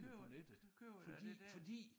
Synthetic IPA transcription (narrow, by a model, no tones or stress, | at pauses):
pɒned̥ð̩ˠfɒd̥ḭfɒ̽d̥ḭː